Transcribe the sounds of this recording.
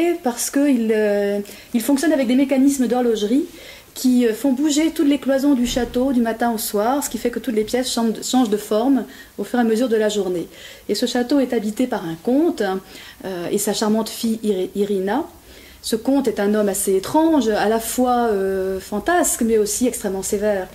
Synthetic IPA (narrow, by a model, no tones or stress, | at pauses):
paʁsə̥kəilø | ilfɔ̃ksjɔnavɛk̚d̪emekanismd̪ɔʁlɔʒʁi | kʲʰiøfɔ̃buʒet̪ut̪leklwazɔ̃d̪yʃat̪od̪ymat̪ɛ̃oswaːʁsə̥kʲifɛkət̪ut̪lepjɛsʃɑ̃ʃɑ̃ʒd̪əfɔʁm | ofyʁeaməzyʁd̪əlaʒuʁneː | səʃat̪oɛt̪abit̪epaʁɛ̃kɔ̃t̪øḛsaʃaʁmɑ̃t̪fijiʁina | səkɔ̃t̪ɛt̪ɛ̃nɔmaseːt̪χɑ̃ʒalafwaøfɑ̃t̪askmɛosiɛkst̪χɛmːɑ̃sevɛːʁ